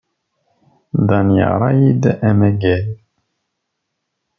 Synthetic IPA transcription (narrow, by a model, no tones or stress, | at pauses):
d̪ɑnjə̰ʁɾˤɑjid̪æmæɡæl